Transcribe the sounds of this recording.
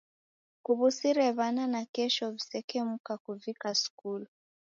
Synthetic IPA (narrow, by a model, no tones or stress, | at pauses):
kuβusiɾɛβananakɛʃɔvisɛkɛmukakuvikaskul